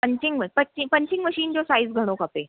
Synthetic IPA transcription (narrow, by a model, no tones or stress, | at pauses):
pəɲt͡ɕiŋɡməpət͡ɕipəɲt͡ɕiŋɡməɕiːnd͡ʑosaizɡʱəɽ̃okape